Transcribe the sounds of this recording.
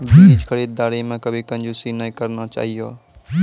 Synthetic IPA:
bʱiid͡ʒkʰəɾid̪̚d̪aːɾimẽkəbʱikɐ̃nd͡ʒusinəĩkəɾnat͡ʃa̰ːɦijo

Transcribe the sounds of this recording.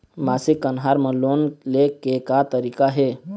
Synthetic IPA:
maːsɪkkːənɦaːɾmə̃loːnlekekat̪əɾiːkaɦeː

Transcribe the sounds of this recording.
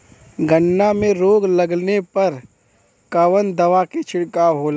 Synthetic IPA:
ɡʱəɳːamẽɾoːɡlɐɡnepɐɾ | kɐʋənd̪ɐʋaket͡ʃʰɪɽkaɦoːla

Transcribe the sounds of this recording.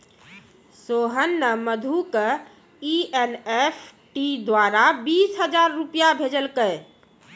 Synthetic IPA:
soːɦənːəməd̪ʱukə | ienepʰʈid̪waːɾabiːsɦəd͡ʒaːɾːupjabʱeːd͡ʒəlkəe

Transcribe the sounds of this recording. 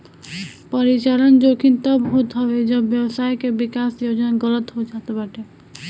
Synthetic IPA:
pəɾit͡ʃaɾənd͡ʒokʰint̪əbɦot̪ɦɔʋed͡ʒəbjəwsajkebɪkasjod͡ʒnaɡələt̪ɦod͡ʒat̪abaʈe

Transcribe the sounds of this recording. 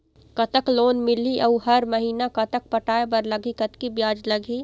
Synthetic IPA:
kɐt̪əkloːnmɪliʔɐɦɐɾmɐɦiːnakɐt̪ək̚pɐʈaːebɐɾlɐɡʱikɐt̪kibjaːd͡ʒlɐɡʱiː

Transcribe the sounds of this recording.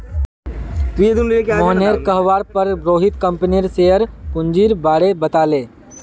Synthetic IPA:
id̪unmɔɦneːɾkɐɦʋaːɾpɐɾbɾoːɦɪt̪kɐ̃mpəniɾseːəɾpʊ̃ɲd͡ʒiːɾbaːɽebɐt̪aːlẽː

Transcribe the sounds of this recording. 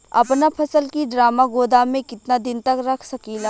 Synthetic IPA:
ɐ̰pnapʰɐsəlkiɖɾaːmaɡoːd̪amẽkɪt̪nad̪ɪnt̪ɐkɾɐkʰsɐkiːlaː

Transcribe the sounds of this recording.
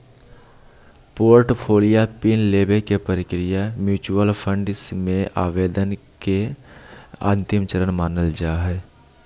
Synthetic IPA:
poːɾʈpʰoːlijapiːnleːbekepəɾɪkɾɪjamjuːt͡ʃuwəlpʰə̃ɳɖsmẽa̰ːʋeːd̪ənke | ə̰̃ːnt̪ɪmt͡ʃəɾənmaːnəld͡ʒaːɦɛː

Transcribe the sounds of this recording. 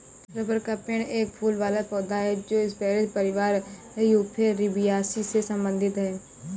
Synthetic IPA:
ɾəpəɾkəpɪɳeːk̚pʰuːlʋaːlaːpɔːd̪aːɦɛːd͡ʒoːɪspɛːɾed͡ʒpəɾɪʋaːɾ | iupʰeːɾɪbɪjaːsiːseːsəmbənd̪ɪt̪ɦɛː

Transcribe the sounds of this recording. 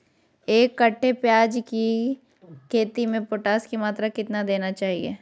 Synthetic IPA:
eːkːɐʈʰːepjaːd͡ʒki | kʰeːt̪imẽpoːʈaːskimaːt̪ɾakɪt̪nad̪eːnat͡ʃaːɦiḛː

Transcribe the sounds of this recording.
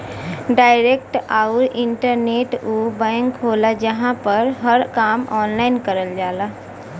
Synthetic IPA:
ɖaːɪɾekʈaʊɾɪɳʈəɾneːʈuːbə̃ŋkɦolad͡ʒəɦãpəɾɦəɾkaːmɔːnlaɪnkəɾəld͡ʒaːla

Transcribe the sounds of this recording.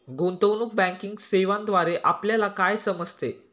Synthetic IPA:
ɡont̪əwnuk̚bæ̃ŋkiŋɡseʋãnd̪ʋaɾeʔapljalakajsəməd͡zʱt̪e

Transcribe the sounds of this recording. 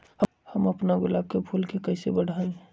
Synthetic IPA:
hə | həməpnaɡʊlaːb̚kebʱulkekəsebəɽ̤ʱaẽ

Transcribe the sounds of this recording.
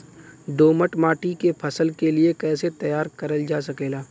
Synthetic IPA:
ɖoːməʈmaːʈikepʰɐsəlkeliekɛːset̪ɐjaːɾkɐɾəld͡ʒaːsɐkeːlaː

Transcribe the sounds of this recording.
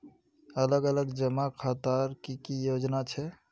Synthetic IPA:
ələɡələɡd͡ʒəmakʰat̪əɾkikijod͡ʒnat͡ʃʰɛ

